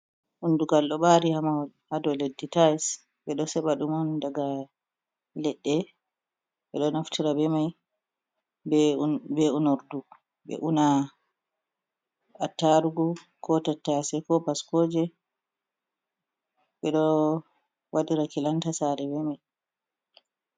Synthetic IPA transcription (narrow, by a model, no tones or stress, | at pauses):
ʔunduɡalɗɔɓaɾihamahɔlhadɔledːitajs | ɓɛɗɔsɛɓaɗumandaɡa | lɛɗːɛ | ɓɛ̰ɗɔnaftʰiɾabɛmaj | bbɛunɔɾdu | bɛ̰ʔuna | atːaɾuɡu | kʰɔtatːasɛkɔbaskoːd͡ʒɛ | ɓɛɗɔ | waɗiɾakilantasaɾɛbɛmaj